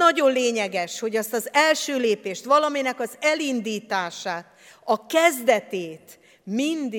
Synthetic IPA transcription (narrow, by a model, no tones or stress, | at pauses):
ɒɟo̞nleːɲɛɡɛʃho̞ɟɒst̪ɒzɛlʃøːleːpeːʃt̪ʋɒlɒminɛkɒzɛlind̪iːt̪aːʃaːt̪ | ɒkɛzd̪ɛt̪eːt̪ | mind̪